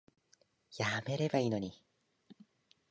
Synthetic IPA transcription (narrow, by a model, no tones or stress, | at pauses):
jame̞ɾe̞baiːno̞ɲ̟i